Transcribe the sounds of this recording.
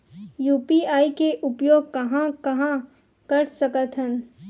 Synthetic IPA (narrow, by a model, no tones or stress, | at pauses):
juːpiːaːikeʔʊpjoːɡ̚kɐɦãkɐɦã | kɐɾsɐkət̪ɦən